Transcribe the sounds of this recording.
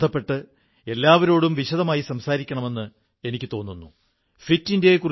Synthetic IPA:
ɐpːe̞ʈːɨ | e̞lːaːʋɐɾo̞ːɽumʋiɕɐðɐmaːjisɐmsaːɾikʲːɐɳɐme̞nːɨ | e̞nikʲːɨt̪o̞ːnːunːu | fitːinde̞kur

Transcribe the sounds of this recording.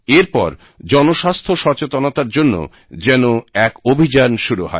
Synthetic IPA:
eɾpɔ̰ɾ | d͡ʑɔnoʃast̪ʰoʃɔt͡ɕet̪onot̪aɾd͡ʑonːo̰ | d͡ʑɛnoɛkobʱid͡ʑanʃuɾuɦɔ̰e

